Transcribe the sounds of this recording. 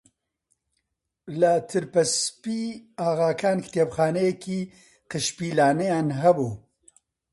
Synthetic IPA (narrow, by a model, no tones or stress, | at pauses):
lɐt̪ʰɨɾpɐspiːaːɣaːkʰaːnkʰt̪ʰeːbxaːnɛjɛkiː | qɨʃpiːlaːnɛjaːnɦɛbuː